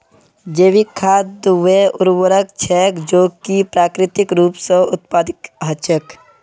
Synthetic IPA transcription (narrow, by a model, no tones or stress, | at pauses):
d͡ʒeːʋikʰaːd̪ʋeʊɾwəɾəkt͡ʃʰɛːkd͡ʒoːkipɾaːkɾɪt̪ɪkɾuːpsə̃ʊt̪̚paːd̪ɪkɦət͡ʃək